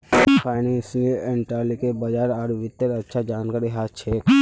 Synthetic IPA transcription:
pʰaɪnẽnsiəleɳʈaɾlikebəd͡ʒaːɾaɾʋɪt̪ːəɾətːʃʰad͡ʒaːnkaːɾiɦaːt͡ʃʰek

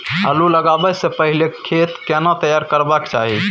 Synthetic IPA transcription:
əluləɡabɛsepəɦilekʰet̪kenat̪əjaɾkəɾbakt͡ʃa̰ɦi

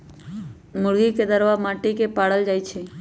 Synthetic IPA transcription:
mʊɽɡiked̪əɾʋamaʈekepaɽəld͡ʒajt͡ʃʰe

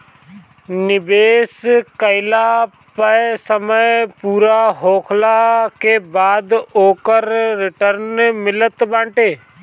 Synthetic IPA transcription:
nɪbeːskəɪla | pəsəməjpuːɾaɦoːkʰlakebaːd̪oːkəɾːɪʈəɾnmɪlət̪bãːɳʈeː

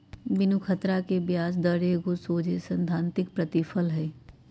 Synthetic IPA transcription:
bɪnukʰət̪ɾakebjaːs̬d̪əɾeɡosoːd͡ʒʱesə̃nd̪ʱaːnt̪ɪk̚pɾət̪ɪfʰəlɦɛː

